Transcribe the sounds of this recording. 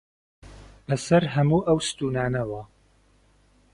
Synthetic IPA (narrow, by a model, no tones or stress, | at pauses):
b̥ɐsɐɾɦɐmuːʔɐwst̪uːnaːnɐwɐ